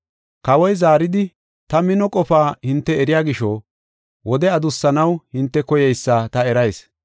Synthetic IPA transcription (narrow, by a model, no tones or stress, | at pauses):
kɐwɔjzaːɾɪd̪ɪ | t̪ɐmɪnɔkʼɔfaːhɪnt̪ːɛːɾɪjaːɡɪʃɔː | wʔɔd̪ɛɐd̪ʊsːɐnɐwhɪnt̪ːɛkɔjɛjsːat̪ɐɛɾɐjs